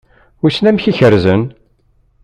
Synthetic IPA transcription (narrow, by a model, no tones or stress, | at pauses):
isnæmçiçəɾzən